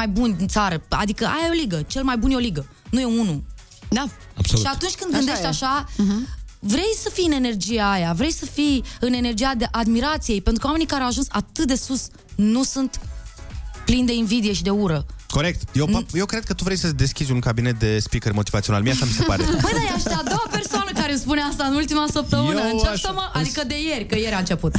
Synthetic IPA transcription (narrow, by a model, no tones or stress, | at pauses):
ajbunʲint̪saɾəa̰d̪ikəa̰jajeo̞liɡət͡ʃe̞lmajbunjeo̞liɡə | nuje̞unu | a | a̰b̥soʃiat̪unt͡ʃʲkɨnd̪ɡɡɨnd̪eʃt̪ʲaʃa | vɾe̞jsəfijɨne̞ne̞rd͡ʒijeajavɾejsəfijɨne̞ne̞rd͡ʒijad̪eʔad̪miɾat̪sije̞jpent̪ɾukəwame̞nikaɾeawaʒunsat̪ɨt̪̚d̪e̞sus | nusunt̪ | plind̪e̞invid̪ije̞ʃid̪e̞uɾəko̞ɾe̞k̚t̪jewpjewkɾed̪̚kət̪uvɾejsəd̪e̞skʲizʲunkabine̞t̪̚d̪e̞spikermo̞t̪ivat̪sio̞nalmijaʃamisepaɾebəjdd̪ajaʃt̪ad̪o̞wape̞rsoanəkaɾemspuneast̪aɨnult̪imasəp̚t̪əmɨnɨnt͡ʃaəməʔad̪ikəd̪e̞je̞rʲkəje̞ɾʲaɨnt͡ʃe̞put̪